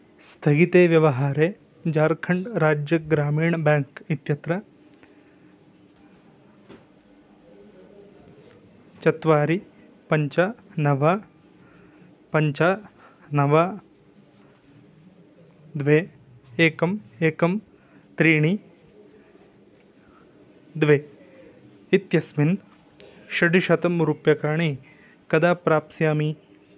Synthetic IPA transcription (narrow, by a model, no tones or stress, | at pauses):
st̪ʰɐɡit̪eːʋjɐʋɐɦaːɾeː | d͡ʒaːɾkʰɐɳɖɾaːd͡ʒjɐɡɾaːmiːɳɐbaːŋkit̪jɐt̪ɾɐ | t͡ʃɐt̪ʋaːɾi | pɐɲt͡ʃanɐʋa | pɐɲt͡ʃa | nɐʋɐ | d̪ʋeː | eːkɐmeːkɐm | t̪ɾiːɳi | d̪ʋeː | it̪jɐsmin | ʃɐɖiʃɐt̪ɐmuɾupjɐkaːɳi | kɐd̪aːpɾaːpsjaːmi